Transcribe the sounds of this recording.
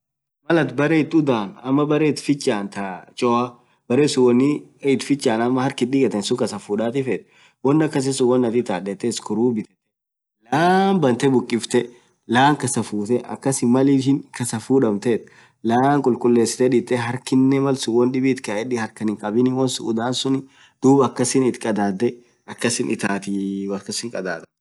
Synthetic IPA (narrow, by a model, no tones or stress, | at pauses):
mɐlɐt̪bɐɾɛɪt̪ːʊd̪aːnɐmːɐbɐɾeɪt̪fɪt͡ʃʼːaːnt̪ɐt͡ʃʼɔɐ | b̥ɐɾeːsʊwɔnːɪɪt̪fɪt͡ʃʼːaːnɐmːɐhɐɾkɪᶑɪkʼɐt̪ɛnsʊkʼɐsɐfuːᶑaːt̪ɪfɛt̪ | wɔnːɐkːɐs̬ɪsʊwɔnːɐt̪ɪt̪aːᶑɛt̪ːɛɪskɔɾuːbɪt̪ɛt̪ɛ̥ | laːmbɐnt̪ɛbʊkʼːɪft̪ɛ | laːŋkɐsɐfuːt̪ɛʔɐ̰kːɐsɪmɐlɪʃɪŋkɐsɐfuːᶑɐmt̪ɛt̪ | laːŋkʼʊlkʼʊlːeːsːɪ̥t̪ɛᶑɪt̪ːɛɦɐɾkɪnːɛmɐlsʊwɔnᶑɪbɪːt̪kɐʔɛᶑɪhɐɾkɐnɪŋkʼɐbɪnɪwɔnsʊʊd̪aːnsʊnɪ | d̪̥uːbɐkːɐsɪnɪt̪kʼɐd̪aːd̪ːɛ | ɐkːɐsɪnʔɪt̪aːt̪ɪwɐkɐsɪŋkʼɐd̪aːt̪ɐ̥